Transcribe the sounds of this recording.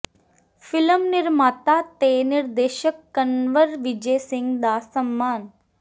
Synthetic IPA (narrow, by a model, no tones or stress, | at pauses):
fɪləmnɪɾmaːt̪at̪eːnɪɾd̪eːʃəkːənʋəɾʋɪd͡ʒeːsɪ̃ŋɡd̪aːsəmːaːn